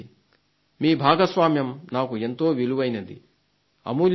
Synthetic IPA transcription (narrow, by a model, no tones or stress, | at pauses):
miːbʱaːɡɐsʋaːmjɐmnaːkue̞nt̪o̞ːʋiluʋɐjnɐd̪ḭ | ɐ̰muːl